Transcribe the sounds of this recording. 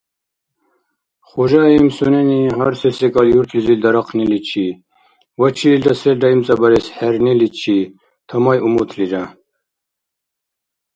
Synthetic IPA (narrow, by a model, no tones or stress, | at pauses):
χɔʒaimsunɛniɦaɾsɛsɛkʼaljuɾt̪ʰlizild̪ɑɾɑqʰnilit͡ʃʰi | wat͡ʃʰiild̪asɛldaimt͡sʼabaɾɛsħɛɾnilit͡ʃʰi | t̪ʰamajʔumut̪ʰliɾa